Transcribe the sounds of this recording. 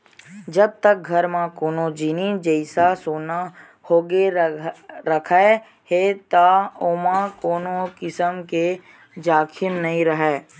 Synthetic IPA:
d͡ʒɐb̚t̪ək̚ɡʱɐɾmãkoːnod͡ʒiːnid͡ʒəɪsasoːna | hoːɡe | ɾəkʰae | het̪aoːmãkoːnõkɪsəmke | d͡ʒaːkʰɪnːɐɦĩɾəɦɛː

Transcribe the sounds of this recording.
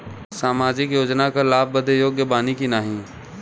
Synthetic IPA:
saːmaːd͡ʒɪkjoːd͡ʒnakalaːb̚bəd̪ʱejoːɡjəbaːnikinaːɦĩ

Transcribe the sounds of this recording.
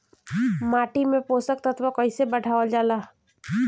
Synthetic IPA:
maːʈimẽpoːsək̚t̪ɐt̪ʰʋakɔisebɐɖʱaːʋəld͡ʒaːlaː

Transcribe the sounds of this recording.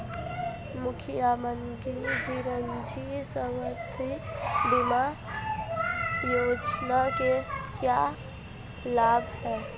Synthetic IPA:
mʊkʰijamən | kid͡ʒiɾənd͡ʒisəməɾt̪ʰibima | jod͡ʒnakekja | labʱɦɛː

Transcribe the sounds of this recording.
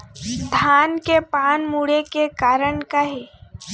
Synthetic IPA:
sd̪ʱaːnkepaːnmuːɽekekaːɾəɳkaɦeː

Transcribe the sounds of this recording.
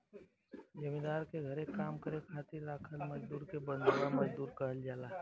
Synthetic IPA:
d͡ʒəmid̪aːɾkeɡʱəɾekaːmkəɾekʰaːt̪ɪɾːaːkʰəlmɐd͡ʒd̪uːɾkebə̃nd̪olaməd͡ʒd̪uːɾkəɦəld͡ʒaːlaːɦɛ

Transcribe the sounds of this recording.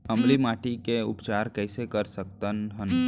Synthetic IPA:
ɐmlimaːʈikeʊ̰pt͡ʃaːɾkɛːsekɐɾsəkt̪ənɦən

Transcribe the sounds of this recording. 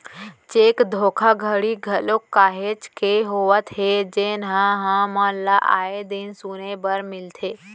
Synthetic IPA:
t͡ʃeːkd̪ʱokʰaɡʱəɽiɡʱəlokːaːɦet͡ʃkeɦoʋət̪ɦed͡ʒenɦãɦãmə̃nlaʔa̰ed̪insunebəɾmɪlt̪ʰe

